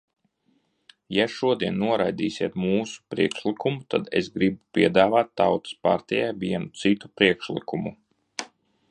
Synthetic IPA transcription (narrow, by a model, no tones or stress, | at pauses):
jaʃuɔd̪iɛnːuɔɾajd̪iːsʲiɛt̪muːsu̥pɾiɛkʃlˠikumut̪a̰d̪ḛsɡɾibupʲiɛd̪aːvaːt̪ːawt̪ɨ̥spa̰ɾt̪ʲɛjajviɛnut̪sit̪u̥pɾiɛkʃlˠḭkumu